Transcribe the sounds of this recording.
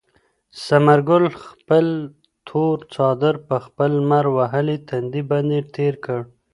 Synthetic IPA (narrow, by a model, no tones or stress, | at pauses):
samaɾɡʊlxpəl | t̪ʰoɾt͡sɑd̪əɾpəxpəlmaɾwaɦəlet̪ʰand̪iband̪et̪ʰeɾkəɽ